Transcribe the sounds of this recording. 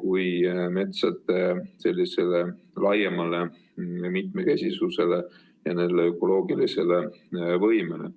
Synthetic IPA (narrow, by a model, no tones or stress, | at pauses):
kujme̞t̪sɑt̪ːˑese̞lʲːise̞le̞ | lɑjemɑle̞ | mit̪me̞kesʲisuse̞le | jɑne̞nd̪eø̞kːˑo̞lo̞ːɡ̥ilise̞le̞vɤjmele̞̰